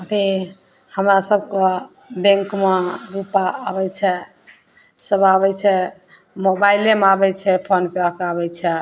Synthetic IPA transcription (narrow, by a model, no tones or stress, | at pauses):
ət̪i | həmɾasəb̚kɔ | bẽŋkmaɾupaːβɛt͡ʃʰɛ | səbaβɛt͡ʃʰɛ | mobailemabɛt͡ʃʰɛpʰonpeakaβɛt͡ʃʰɛ